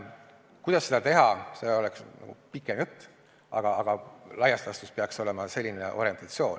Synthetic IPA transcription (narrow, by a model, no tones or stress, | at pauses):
kujd̪ɑsːe̞d̪̥ɑt̪e̞ɦɑse̞o̞lɛksnɑ̰ɡ̥ṵpikːˑemjut̪ːˑ | ɑɡ̥ɑɑɡ̥ɑlɑjɑst̪ɑst̪uspeɑkso̞le̞mɑse̞lʲːineʔo̞̰ɾie̞nt̪ɑt̪sio̞ːn